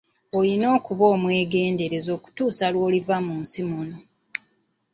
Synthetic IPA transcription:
ojino̞ːkuβo̞ːmwe̞ːɡe̞ːnde̞ɾe̞zo̞ːku̥tuːsalwoːlivamunsimono

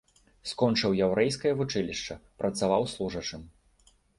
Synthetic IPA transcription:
skɔnt͡ʂɨwjawɾɛjskɐjɐvut͡ʂɨlʲiʂt͡ʂɐpɾʔɐt̪savawslˠuʐɐt͡ʂɨm

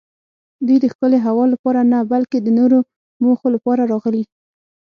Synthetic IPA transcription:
d̪ujd̪əxkəleɦawɑlapɑɾanabalked̪ənoɾo | moxolapɑɾaɾɑɣəli

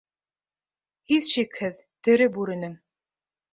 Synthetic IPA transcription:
hiðʃikhɘðt̪ɘ̆ɾɘbʉɾɘ̆nɘŋ

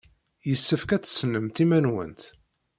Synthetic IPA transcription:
jəsːəfkæt͡sːsnəmt̪imænwə̰nt̪

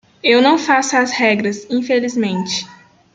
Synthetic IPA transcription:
ewnɐ̃w̃fasʊɐzhɛɡɾɐzĩfelizmẽnt͡ʃɪ̥

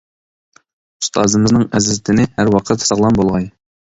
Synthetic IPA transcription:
ust̪ʰɑːzɨmɨznɨŋɛzzɪt̪ʰɪnɪhæɾwɑqʰət̪sɑʁlˠɑnbolˠʁɑj

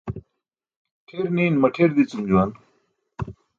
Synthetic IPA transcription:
ʈʰeːɾniːnmɐʈʰeːɾd̪it͡sumd͡ʑuwaːn

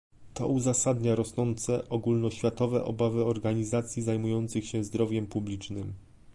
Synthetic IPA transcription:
t̪ɔ̰uzasad̪ɲaɾɔsnɔnt̪sɛʔɔɡulnɔɕfʲjat̪ɔvɛ̰ʔɔ̰bavɘɔɾɡaɲizat̪sʲjizajmujɔnt̪sɘxɕɛzd̪ɾɔvʲjɛmpublʲit͡ʂnɘm

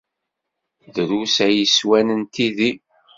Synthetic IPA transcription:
ðəɾusæjəswænənt̪iði

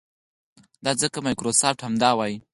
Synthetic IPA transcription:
d̪ɑzəkamɑjkɾosɑf̚ʈhamd̪ɑwɑji

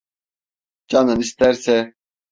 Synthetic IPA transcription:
d͡ʒanɯnist̪ʰæɾsɛ

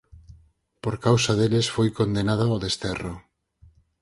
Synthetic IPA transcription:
poɾkawsaðelesfojkond̪enaðaoðest̪ɛro

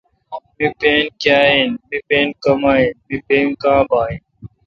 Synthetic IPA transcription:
mipeːnkjaːinmipeːnkɐmaːinmipeːnkãːbaːin

